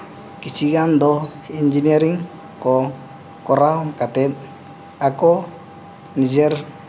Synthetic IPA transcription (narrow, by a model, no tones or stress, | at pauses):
kit͡ʃiɡand̪oind͡ʒineɾiŋ | ko | koɾahokat̪et̪̚ | ako | nid͡ʒeɾ